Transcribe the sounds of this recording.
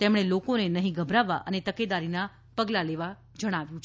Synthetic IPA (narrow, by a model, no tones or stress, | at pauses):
t̪emɽ̃elokonenəɦĩɡəbʱɾaʋaʔənet̪əked̪aɾina | pəɡlaleʋa | d͡ʒəɽ̃aʋjũt͡ʃʰ